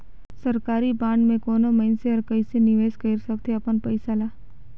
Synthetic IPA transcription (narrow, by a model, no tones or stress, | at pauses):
sɐɾkaːɾibãːɳɖmẽkoːnomɐɪnseɔːɾkɐisenɪʋeːskəɪɾsɐk̚t̪ʰeɐpənpɐɪsalaː